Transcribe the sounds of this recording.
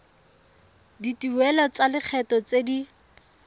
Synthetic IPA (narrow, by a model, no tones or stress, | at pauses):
ditiwɛlɔt͡salɪk͡xʰɛtɔt͡sedi